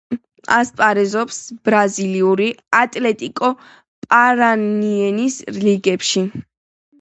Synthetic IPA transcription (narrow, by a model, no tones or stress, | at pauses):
aspʼaɾɛzɔpsb̥ɾaziliuɾiat̪ʼlɛt̪ʼikʼɔ | pʼaɾaniɛnisliɡɛpʃi